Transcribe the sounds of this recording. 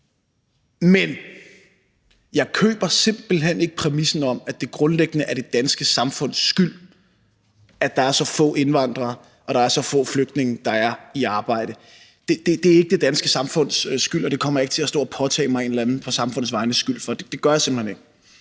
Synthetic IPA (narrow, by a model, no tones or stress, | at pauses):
men | jɑ̈ɪkʰø̰ːb̥ɐse̝m̰b̥l̩ɦen̰e̝ɡ̥əpʰʁɛmisn̩ɒ̽m̰æd̥e̝ɡ̥ʁɔ̽nleɡ̥ənəʔæɐɾ̥e̝d̥ænsɡ̥əsɑ̈mfɔ̽n̰sːɡ̥yl̰ | æd̥ɑ̈æɐsɒ̽fɔ̰̽ːe̝nʋɑ̈n̰d̥ʁɐ | ʔɒ̽ɾ̥ɑ̈æɐsɒ̽fɔ̰̽ːfløɡ̥̚d̥ne̝ŋəd̥ɑ̈æɐiɑ̈ːb̥ɑ̈ɪ̰ɾ̥ə | d̥e̝d̥e̝d̥e̝æɐe̝ɡ̥əd̥e̝d̥ænsɡ̥əsɑ̈mfɔ̽n̰sɡ̥yl̰ɒd̥e̝kʰɒ̽m̰ɐje̝ɡ̥ət͡sʰe̝æsd̥ɔ̰ːɒpʰɒ̽t͡sʰɛ̰ːmɑ̈ɪe̝nlænð̩ˠpʰɒ̽sɑ̈mfɔ̽n̰ð̩ˠsʋɑ̈ɪnəsɡ̥yl̰fɒ̽d̥e̝d̥e̝ɡ̥ɶɐjɑ̈semb̥l̩hene̝ɡ̥̚